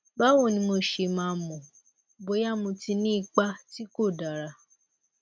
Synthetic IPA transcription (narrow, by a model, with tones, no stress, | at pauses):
ba˦wo˦˨nĩ˧mo˧ʃe˧mãː˧˦˧mɔ̃˨ | bo˨˦ja˦˨mũ˧ti˧nĩ˦i˦˧k͡pa˦ti˦ko˦˨da˨ɾa˧